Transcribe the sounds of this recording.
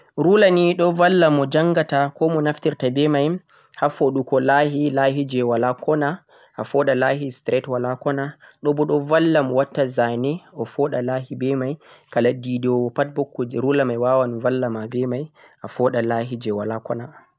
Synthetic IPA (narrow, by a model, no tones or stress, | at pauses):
ɾulaniɗɔvalːamɔd͡ʒaŋɡatakɔmɔnaftiɾtabɛmaj | hafoɗukɔlahilahid͡ʒɛwalakɔna | ʔafɔɗalahistɾɛtwalakɔnaɗɔbɔɗɔvalːamɔwatːazanɛɔfɔɗalahibɛmaj | kaladidɔwɔpat̚bɔkːɔd͡ʒɛɾulamajwawanuvalːamabɛmaj | ʔafɔɗalaɦid͡ʒɛwalakɔna